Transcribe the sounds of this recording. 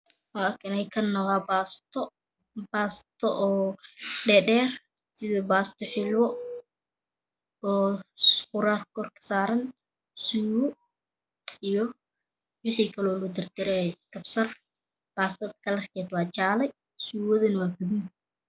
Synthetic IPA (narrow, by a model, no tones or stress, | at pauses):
waːkʰɪnɛjkʰɐnːɐʁabast̪ʰɔ | baːst̪ʰɔʔɔːɖɛːɖɛːr | sɪðɐbaːst̪ʰɔħɪlwɔ | ɔːsχʊɾaːrkʰɔrkʰɐ̥saːɾɐn | sʊwʊ | ijɔ | wɪħiːkʰɐlɔːlʊd̪ɐrd̪ɛɾɛkɐbsɐr | b̥aːst̪ʰɐd̪kʰɐlɐrkʰɛːd̪wɑːt͡ʃaːlɛj | sʊwɔðɐnwaːbʊðuːn